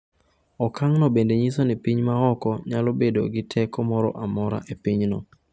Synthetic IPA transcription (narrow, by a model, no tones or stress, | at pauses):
ɔkʰaŋnɔbendeɲisonipiɲmaɔkɔɲalobedo̰ɡɪtʰɛkɔmɔɾɔ̰ʔamɔɾa̰ʔepiɲnɔ̰